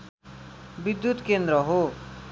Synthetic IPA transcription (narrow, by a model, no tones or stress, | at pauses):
bid̪jut̪kend̪ɾʌɦo